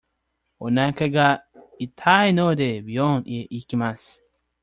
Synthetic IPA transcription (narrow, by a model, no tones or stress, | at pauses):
onakɐɡa | it̪ʰainod̪ebijonʔieʔikimas